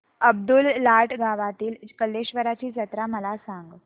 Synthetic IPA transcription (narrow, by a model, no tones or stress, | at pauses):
əb̚d̪ulːaʈɡaʋat̪iːlkəlːeɕʋəɾat͡ɕiːsət̪ɾaməlasaŋɡ